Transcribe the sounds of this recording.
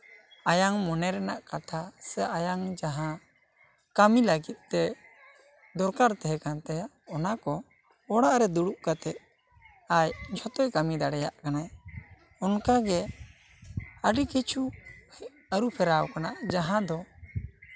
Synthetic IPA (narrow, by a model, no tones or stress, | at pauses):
ajaŋmɔnɛɾɛnaʔkat̪ʰasɛʔajaŋd͡ʒaɦã | kamiləɡit̪̚ˀt̪ɛ | d̪ɔɾkaɾt̪ɛɦɛkant̪ɛja | ɔnakɔ | ɔɽaʔɾɛd̪uɽuʔkat̪ɛʔ̪ | ajt͡ʃʰɔt̪ɔjkamid̪aɽɛjaʔkanaj | ɔnkaɡɛ | əɖikit͡ʃʰu | əɾupʰɛɾawkanaʔd͡ʒaɦãd̪ɔ